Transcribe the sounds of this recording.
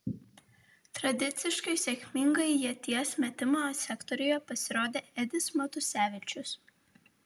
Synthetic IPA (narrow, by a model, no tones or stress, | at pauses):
t̪ɾɐd̪ʲɪt̪sʲɪʃkɐɪsʲɛkʲmʲɪŋɡɐɪjiɛt̪ʲiɛsmʲɛt̪ʲɪmoːsʲɛkt̪ɔɾʲʊjɛpɐsʲɪɾoːd̪ʲeːɛd̪ʲɪsmɐt̪ʊsʲæːʋʲɪt͡ʃʲʊs